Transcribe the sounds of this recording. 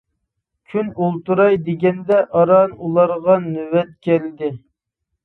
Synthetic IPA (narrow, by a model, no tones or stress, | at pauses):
kʲʰynulˠt̪uɾɑjd̪ɪɡʲɛnd̪ɛʔɑɾɑnulˠɑɾʁɑnywɛt̪̚kʲʰɛld̪ɪ